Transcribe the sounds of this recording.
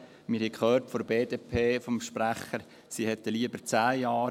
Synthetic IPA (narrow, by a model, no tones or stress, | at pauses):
mɪɾhɛkʰχøːrtfɔɾbeːd̪epʰeːfɔmʃpɾæχəɾ | siːhɛt̪ːəliəbəɾt͡sæːjɑː